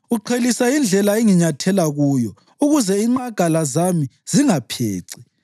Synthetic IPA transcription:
uǃʰelisaind͡ɮʱɛlaeŋiɲatʰɛlaɣuːjɔ | uɣuzɛiŋ͡ǃaɡ̥ʱalazamiz̥iŋapʰḛːǀi̥

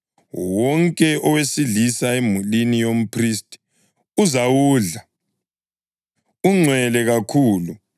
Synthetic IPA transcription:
wɔŋkʼɛʔɔwesiɮisaemulinijom̩pʰristʼi̥ | uzawuːɮa | uŋ͡ǀʱwɛlɛɣakʰuːlu

